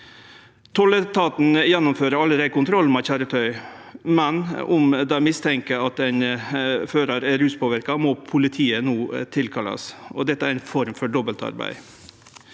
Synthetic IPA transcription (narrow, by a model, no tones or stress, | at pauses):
t̪ʰɔlət̪ʰɑːt̪n̩jɛnːʊmføːɾəɾɑlːəɾæɪkʊnt̪ʰɾɔlmɑçæːɾət̪ʰœʏmɛnʊmd̪ɑmɪst̪ʰɛŋkəɑt̪ɛɪnføːɾɑɾɛɾʉːspʰoːʋɪɾkɑmɔpʰʊlɪt̪ʰiːənoːt̪ʰɪlkʰɑlɑ̰sɔ̰d̪ɛt̪ːəæɾɛɪnfɔɾmfɔɖɔbəlt̪ɑ̰ɾbæ̰ɪ